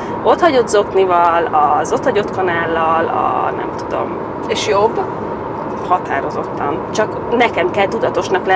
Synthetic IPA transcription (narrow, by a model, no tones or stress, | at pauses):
o̞t̪hɒɟo̞d̪zo̞knivɒlɒzo̞t̪hɒɟo̞t̪kɒnaːlːɒlɒ̰nɛ̰mt̪ud̪o̞̰m | eʃjo̞bː | hɒt̪a̰ːɾo̞zo̞̰t̪ːɒnt͡ʃɒk | nɛkɛmkɛlt̪ud̪ɒt̪o̞ʃnɒklɛ